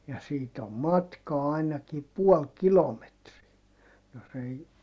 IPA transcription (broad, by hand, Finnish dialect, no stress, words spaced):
jɑ siːt om mɑtkɑː ɑinɑki puɔl kilometriæ jos ei